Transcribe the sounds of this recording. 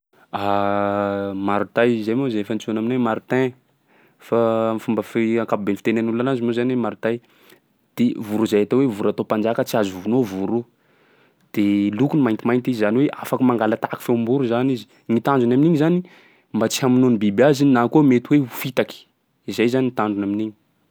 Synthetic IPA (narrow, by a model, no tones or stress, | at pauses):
a | maɾut̪ajizajmozafant͡sonaminwemaɾut̪ɛ̃ | famfumbəfiãŋkapubenfit̪enanuluanazimozaniwemaɾut̪aj | d̪̥evuɾuzaat̪awevuɾat̪opand͡ʒakət͡siazuvunovuɾu | d̪̥elukunimajnt̪imajnt̪izzaniweʔafakimaŋɡalat̪aki̥feumbuɾuzanizi̥ | ŋit̪and͡ʒunaminiɲizani | mbat͡si̥ɦaminonibibiazinnakomet̪uwefit̪aki̥ | izajzaniŋit̪aɳɖ͡ʐunaminiɲi̥